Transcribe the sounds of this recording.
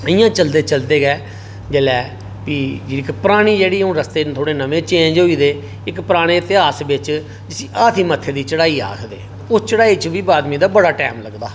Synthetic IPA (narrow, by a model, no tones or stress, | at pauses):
əĩjãːt͡ʃəld̪eːt͡ʃəld̪eːɡɛː | d͡ʒeːlɛː | piːd͡ʒɪɪkpəɾaːɽ̃iːd͡ʒeːɽiːũːɾəst̪eːt̪ʰoːɽeːnəʋẽːt͡ʃẽːnd͡ʒɦoːiːd̪eː | ɪkpɾaːɽ̃eːt̪ɪaːsbɪt͡ʃ | d͡ʒəsĩːʔaːt̪ʰiːmət̪ʰːeːd̪iːt͡ʃəɽaːiːa̰ːkʰd̪ḛː | ʊst͡ʃəɽaːiːt͡ʃʊbiːbaːd̪mĩːd̪aːbəɽaːʈɛːmləɡd̪aː